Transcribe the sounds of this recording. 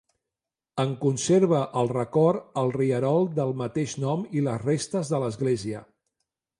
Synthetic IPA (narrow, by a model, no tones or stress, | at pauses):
əŋkunseɾβəʔəlˠrəkɔɾəlˠriəɾɔlˠd̪əlˠmət̪eʃnɔmiləzrest̪əzðələzɣleziə